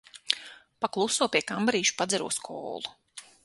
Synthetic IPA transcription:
paklˠusuɔpʲiɛkambaɾiːʃu̥pad̪zɛɾṵɔskʰɔ̰ːlˠu̥

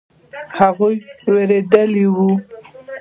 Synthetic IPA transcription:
haɣujweɾed̪əliwu

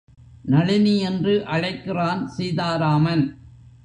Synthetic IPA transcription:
nɐɻɪniɛndrɯʔɐɻɐɪkːɪraːnsɛjðaːɾaːmɐn

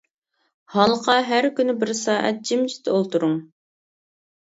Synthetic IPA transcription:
hɑlˠqʰɑɦæɾkʲynɪbɪɾsɑːʔɛ̰t̪̚d͡ʒimd͡ʒi̥t̪ʰolˠt̪uɾʊŋ

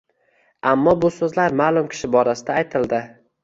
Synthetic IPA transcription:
amːɒbʊsɵzlaɾmaːlˠʊmkʲʰɪ̥ʃɪbɒɾasɪd̪aːjt̪ʰɪld̪ɪ

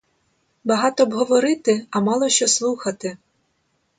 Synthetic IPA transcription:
bɐɦɑt̪ɔːbɦɔʋɔɾɪt̪ɪɐmɑlˠɔʃt͡ʃɔslˠuxɐt̪ɪ

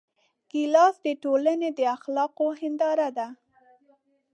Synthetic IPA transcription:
ɡ̥ilɑsd̪əʈoləned̪əaxlɑqohɪnd̪ɑɾad̪a

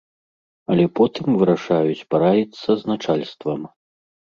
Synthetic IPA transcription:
ɐlʲɛpɔt̪ɨmvɨɾaʂajut͡sʲpaɾajɛt̪sːɐznat͡ʂalʲst̪vɐm

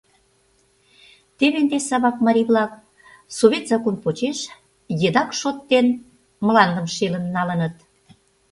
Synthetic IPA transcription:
t̪eβend̪esɑβɑk̚mɑɾʲiβlɑk̚ | soβʲet̪zɑkonpot͡ɕeʃ | jed̪ɑkʃot̪ːen | məlɑnd̪əmʃelə̆nːɑlənət̪

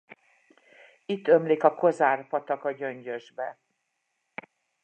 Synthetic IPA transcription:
it̪ːø̞mleːkɒko̞zaːrpɒt̪ɒkɒɟø̞ɲɟøʒbɛ

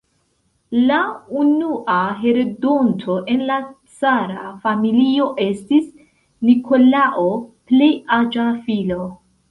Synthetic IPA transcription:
launuʔaɦe̞ɾedontʰo̞ʔe̞nla | t͡saɾafamilio̞ʔe̞stis | nikʰo̞laʔo̞ple̞jad͡ʒafilo̞

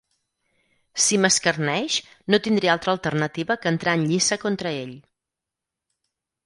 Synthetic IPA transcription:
siməskərnɛʃ | not̪ind̪ɾialˠt̪ɾəːlˠt̪ərnət̪iβəkəːnt̪ɾaənʎisəkont̪ɾəeʎ

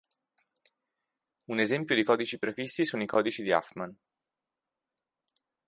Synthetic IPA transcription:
unezɛmpjod̪ikɔːd̪it͡ʃipɾefisːisunoikʰɔːd̪it͡ʃid̪ia̰fman

